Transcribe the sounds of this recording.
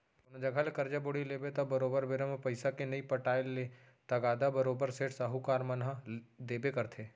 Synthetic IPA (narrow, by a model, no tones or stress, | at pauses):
ʊnd͡ʒɐɡʱalkɐɾd͡ʒabʊɽileːbet̪abɐɾoːbəɾbɪɾəmpɐɪsakenɐipɐʈaːɪlːe | t̪ɐɡaːd̪abəɾoːbəɾseːʈsaɦukaːɾmɐnad̪eːbekɐɾt̪ʰeː